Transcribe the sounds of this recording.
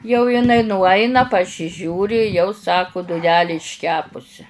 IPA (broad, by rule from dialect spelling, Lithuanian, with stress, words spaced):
jɛʊ jɪˈnɐɪ nʊˈɐɪnɐ pɐsʲɪˈʒʲuːrʲɪ jɛʊ ˈsɑːkʊ dʊˈnʲæːlʲeː ɪʃʲˈkʲæːpʊsʲɪ